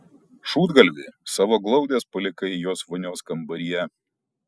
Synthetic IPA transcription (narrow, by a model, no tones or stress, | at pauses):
ʃuːd̪ɡɐlʲʋʲɪsɑːʋoːɡlˠɒʊd̪ʲeːspɐlʲɪkɐɪjoːsʋʊnʲoːskɐmbɐɾʲijɛ